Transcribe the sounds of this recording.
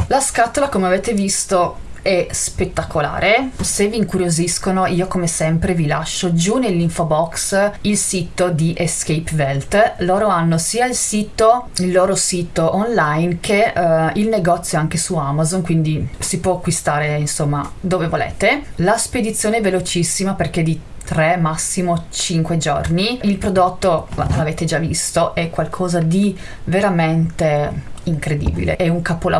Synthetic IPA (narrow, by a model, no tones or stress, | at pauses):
laskat̪olakomeaveːt̪evist̪o | ɛspet̪ːakola̰ːɾʔeseviːŋkuɾjoziskonoiːokomesɛmpɾevila̰ʃːod͡ʒunelːiɱfobɔksilsit̪od̪iʔeskejpvɛlt̪loːɾoanːosiːailsiːt̪oilːoːɾosiːt̪oʔonlajnkeilneɡɔt̪sːjoaŋkesuamazonkwind̪isipwɔakːwist̪aːɾeinsomːa̰d̪oːvevolḛːt̪elasped̪it̪sːjoːneɛvelot͡ʃisːimaperk̟ed̪i | t̪ɾɛmasːimot͡ʃiŋkwed͡ʒo̰rniilpɾod̪ot̪ːo̰laveːt̪ed͡ʒavḭst̪oʔɛkwalkʰɔːzad̪i | veɾament̪eiŋkɾed̪ḭːbḭlḛʔɛuŋkapola̰